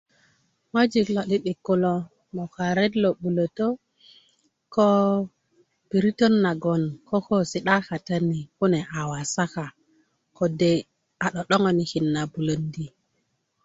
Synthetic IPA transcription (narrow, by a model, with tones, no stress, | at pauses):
ŋo˦d͡ʒi˨klo˨ɗi˦ɗi˨kːu˦lo˦ | mo˨ka˨ɾe˦dlo˨ɓu˨lo˨to˦ | ko˦ | b̥i˨ɾi˦to˦nːa˨ɡo˨nko˦ko˦si˨˦ɗa˦ka˨ta˦ni˨ku˦ne˨ʔa˨wa˨sa˦ka˨ | ko˨de˦ | a˨ɗo˨ɗo˦ŋo˦ni˨ki˨nːa˨bu˨lo˨ndi˦